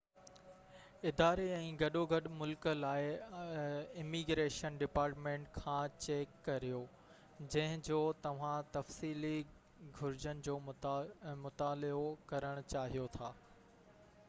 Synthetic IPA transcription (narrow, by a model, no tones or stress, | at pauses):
ɪd̪aːɾeɛ̃ːɡɐɗoɡʱɐɗmʊlkəlaːɪ | ɪmiɡɾeːʃənɖɪpaːɾʈmẽːɳʈkʰãːt͡ɕeːkːɐɾijoː | d͡ʑɐ̃ɦɪ̃d͡ʑoːt̪ɐʋ̤ãt̪ɐfsiːli | ɡʱʊɾɪd͡ʑənɪ̆d͡ʑoː | mʊt̪aːlɪokɐɾəɽ̃ʊt͡ɕaːɦijot̪ʰaː